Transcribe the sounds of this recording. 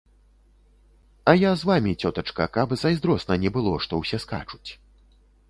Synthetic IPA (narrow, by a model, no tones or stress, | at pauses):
ɐjazvamʲit͡sʲɔt̪ɐt͡ʂkɐkabzɐjzd̪ɾɔsnɐnʲɛbɨlˠɔʂt̪ɔwsʲɛska̰t͡ʂu̥t͡sʲ